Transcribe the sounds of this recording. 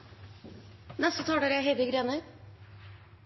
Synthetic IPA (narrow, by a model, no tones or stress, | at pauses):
nɛst̪ət̪ʰɑːɖeːɾəæɦed̪əɡɾeːnə